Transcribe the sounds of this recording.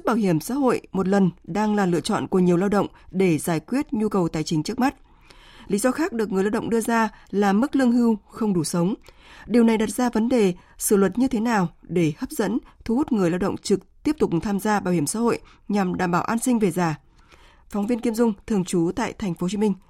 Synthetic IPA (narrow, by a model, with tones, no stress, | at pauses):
k̚ɓaː˧˩wɦi˧˩əmsa̰ː˧˥ho̰˧˨jmo˨˩t̬̚lə˨˩nɗaː˧ŋlaː˨˩lɨ̰˧˨ət͡ɕɔ̰˧˨nku˧˩əɲi˨˩əwlaː˧wɗə̰˧˨wŋ͡mɗe˧˩zaː˧˩jkwi˦˥ət̚ɲu˧kə˨˩wt̪aː˨˩jt͡ɕï˨˦ŋt͡ɕɨ˦ək̚ma˦˥t̚ | li˨˦zɔ˧xaː˦˥k̚ɗɨ˨˩ək̚ŋɨ˨˩jlaː˧wɗə̰˧˨ŋ͡mɗɨ˧əzaː˧laː˨˩mɨ˦˥k̚lɨ˧əŋhi˧wxə˧wŋ͡mɗu˧˩sə˨˦wŋ͡mɗi˨˩əwna˨˩jɗa˨˩t̚z̥aː˧və˨˦nɗe˨˩ | sɨ˧˩lwə˨˩t̚ɲɨ˧t̪ʰe˨˦naː˨˩wɗe˧˩həː˦˥p̚zə̰˧˥nt̪ʰu˧hu˦˥t̚ŋɨ˨˩əjlaː˧wɗə̰˧˨ŋ͡mt͡ɕɨ˨˩k̚t̪i˦˥əp̚t̪ʊ˨˩k͡p̚t̪ʰaː˧mzaː˧ɓaː˧˩whi˧˩əmsa̰ː˧˥ho̰˧˨j | ɲa˨˩mɗaː˧˩mɓaː˧˩wʔaː˧nsï˧ŋ̟ve˨˩zaː˨˩ | fɔ˨˦wŋ͡mvi˧ənki˧əmzʊ˧ŋ͡mt̪ʰɨ˨˩əŋt͡ɕu˨˦t̪a̰ː˧˨jt̪ʰɛ˨˩jŋ̟fo˨˦t͡ɕi˨˧˦mï˧ŋ̟